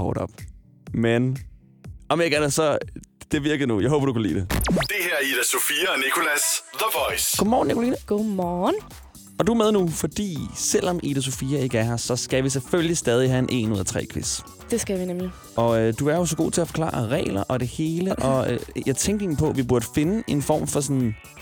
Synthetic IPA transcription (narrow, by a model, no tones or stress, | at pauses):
hɒ̰ːɾɒ̽b̥ | men | ɒ̽mjeɡæɐnsɒ̽d̥e̝ʋiɐɡ̥əðˠnujɑ̈ɪɦo̽ːb̥ɐd̥ukʰælḭːd̥e̝d̥e̝hæɐ̰id̥əsofiːɐnikʰo̝læsðəʋɒɪsɡ̥o̰mɒːn̩ːikʰolḭːnəɡ̥omɒːn | ɒ̽d̥uæɐmeð̞ˠnufɒ̽d̥ḭːsel̰ɒ̽mʔḭd̥æs̬o̝fiːɐe̝ɡ̥æɦɑsɒ̽sɡ̥æʋis̬elføljlisd̥ɛːð̞ˠiɦæenʔe̝̰ːnuð̰ˠɐt͡sʰʁɛ̰ːkʰʋe̝s | d̥e̝sɡ̥æʋinemli | ʔɒ̽ød̥uæɐjo̝sɒ̽ɡ̥o̝̰ːt͡sʰe̝æfɒ̽kʰlɑ̰̈ːɑɐʁɛ̰ːlɐʔɒ̽ɾ̥e̝he̝ːləʔɒ̰̽jɑ̈ɪt͡sʰeŋɡ̥eŋn̩pʰɒ̽ʋib̥uɐd̥əfe̝nəʔe̝nfɒ̰ːmfɒ̽s̬ɔ̽n